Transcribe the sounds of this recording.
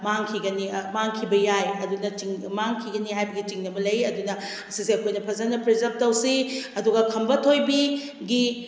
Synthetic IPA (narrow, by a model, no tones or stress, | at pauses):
maŋkʰiɡɐnimaŋkʰibɐjajɐdunɐtiŋmaŋkʰiɡɐniɦajbɐɡit͡ʃiŋnɐmɐlɐjɐdunɐ | ɐsiseɐkʰojnɐpʰɐzanːɐpɾizɐp̚tɐwsiɐduɡɐkʰɐmbɐtʰojbi | ɡi